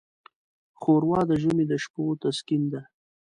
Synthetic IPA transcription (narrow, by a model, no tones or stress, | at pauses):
xoɾwɑd̪əʒumed̪əʃpot̪askind̪a